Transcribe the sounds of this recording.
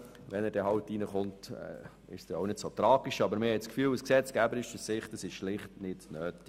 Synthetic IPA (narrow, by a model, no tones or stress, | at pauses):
ʋɛnɛɾdɛɦɑwtinəχʊntɛ̰ | ɪ̰ʃsd̥ɛoʊnɪd̥sot̪ɾɑːɡ̥iʃɑbəɾmɪhɛtskfyːlusksɛt͡sɡ̥æbəɾɪʃdəssɪχtəsɪʃʃlɪχtnɪtnøːt